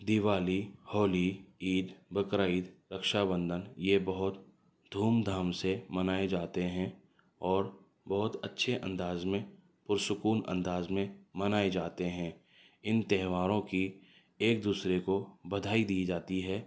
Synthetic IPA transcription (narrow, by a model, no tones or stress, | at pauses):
d̪ɪʋaːlihɔːliiːd̪bəkɾaːiːd̪ɾəkʃabə̃nd̪ʱənjebɐɦʊt̪ | d̪ʱuːmd̪ʱaːmsemənaːed͡ʒaːt̪eɦɛ̃ | ɔːɾ | bɔɦʊt̪ətːʃʰeʔə̰̃nd̪aːzmẽ | pʊɾsʊkuːnə̰̃nd̪aːzmẽmɐnaːed͡ʒaːt̪eɦɛ̃ː | ɪnt̪ɛɦʋaːɾõki | eːk̚d̪uːsɾekobɐd̪ʱaːid̪iid͡ʒaːt̪iɦɛː